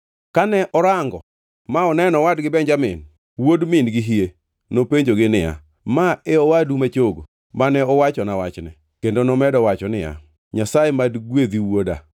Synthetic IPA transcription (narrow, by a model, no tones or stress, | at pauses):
kanɛʔɔɾaŋɡɔ̰ | maɔnɛnɔwadɡɪbɛɲd͡ʒamɪn | wodmɪnɡɪɦie | nopeɲd͡ʒoɡɪnɪja̰ | maɛɔwadumet͡ʃoɡo̰ | manɛɔwat͡ʃɔnawat͡ʃnɛ̰ | kendonomɛdɔwat͡ʃɔnɪja̰ | ɲasajemadɡwed̪iwoda̰